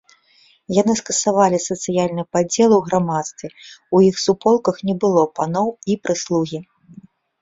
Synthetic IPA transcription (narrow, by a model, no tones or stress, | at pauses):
janɨskɐsavalʲisɐt̪sɨjalʲnɨpad͡zʲɛlˠwɣɾamat̪st̪vʲɛujixsupɔlˠkɐxnʲɛbɨlˠɔpanɔwipɾɨslˠuɣʲi